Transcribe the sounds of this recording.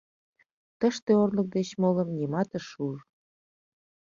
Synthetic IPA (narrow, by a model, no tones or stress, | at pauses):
t̪əʃt̪eorlək̚d̪et͡ɕmolə̆mnimɑt̪əʃur